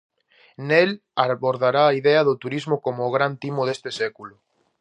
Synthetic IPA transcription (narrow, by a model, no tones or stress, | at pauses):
nel | aβoɾðaɾaːiðɛɐðʊt̪uɾizmokomoːɣɾant̪imoð̞est̪esɛkulʊ